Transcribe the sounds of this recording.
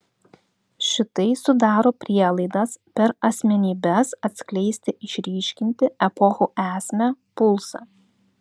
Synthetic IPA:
ʃʲɪt̪ɐɪsʊd̪ɑːɾoːpʲɾʲiɛlˠɐɪd̪ɐspʲɛɾɐsʲmʲɛnʲiːbʲɛsɐt̪ʲsʲklʲɛɪsʲt̪ʲɪʔɪʃʲɾʲiːʃʲkʲɪnʲt̪ʲɪɛpɔxuːʔæːsʲmʲɛpʊlˠsɑ̰

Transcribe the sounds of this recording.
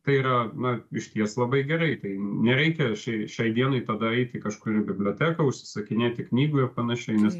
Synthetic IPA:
t̪ɐɪiːɾɐnɐɪʃʲt̪ʲiɛslˠɐbɐɪɡʲɛɾɐɪt̪ɐɪnʲɛɾʲɛɪkʲɛʃʲɛɪʃʲɛɪd̪ʲiɛnɐɪt̪ɐd̪ɐɛɪt̪ʲɪkɐʃkʊɾɪɾbʲɪbʲlʲoːt̪ʲæːkɐʊʃʲsʲɪ̥sɐkʲɪnʲeːt̪ʲɪknʲiːɡʊɪrpɐnɐʃʲɛɪnʲɛs

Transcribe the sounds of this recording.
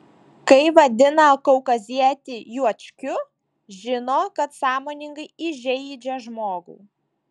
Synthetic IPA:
kɐɪʋɐd̪ʲɪnɐkɔʊkɐzʲiɛt̪ʲɪjuɔt͡ʃʲkʲʊ | ʒʲɪnoːkɐt̪sɑːmoːnʲɪŋɡɐɪɪʒʲɛɪd͡ʒʲɛʒmoːɡṵː

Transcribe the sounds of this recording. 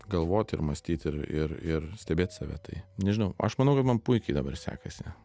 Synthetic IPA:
ɡɐlˠʋoːt̪ʲɪ̰ɾmɐsʲt̪ʲiːt̪ʲɪɾɪrɪrsʲt̪ʲɛbʲeːt̪sɑːʋʲæ̰ːt̪ɐɪnʲɛʒʲɪnɐʊɐ̰ʃmɐnɐʊkɐtmɐnpʊɪkʲɛɪd̪ɐbɐrsʲæ̰ːkɐsʲɪ

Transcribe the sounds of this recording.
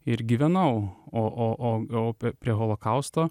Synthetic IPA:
ɪɾɡʲiʋʲɛnɐʊoːʔoːʔoːoːpʲɾʲiɛɣolˠoːkɐʊst̪oː

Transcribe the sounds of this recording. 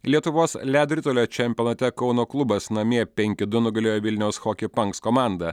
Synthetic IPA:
lʲiɛt̪ʊʋoːslʲæd̪ʲɾʲɪt̪oːlʲoːt͡ʃʲɛmʲpʲɔnɐt̪ʲɛkɒʊnoːklˠʊbɐsnɐmʲiɛpʲɛŋʲkʲɪd̪ʊnʊɡɐlʲoːjoːʋʲɪlʲnʲɛʊsxoːkʲɪpɐŋkskɔmɑˑnd̪ɐ

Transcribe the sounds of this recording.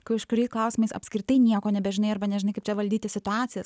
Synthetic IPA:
kɐʊɪʃkʊɾʲɛɪsklˠɐʊsʲɪmɐɪsɐ̰pʲsʲkɾʲɪt̪ɐɪnʲiɛkoːnʲɛbʲɛʒʲɪnɐɪɐrbɐnʲɛʒɪnɐɪkɐɪpt͡ʃʲɛʋɐlʲd̪ʲiːt̪ʲɪsʲɪt̪ʊɑːt̪sʲɪjɛs

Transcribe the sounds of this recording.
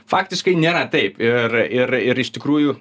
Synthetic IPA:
fɑːkt̪ʲɪskɐɪnʲeːɾɐt̪ɐɪpɪrɪɾɪɾɪʃt̪ʲɪkɾuːjʊ

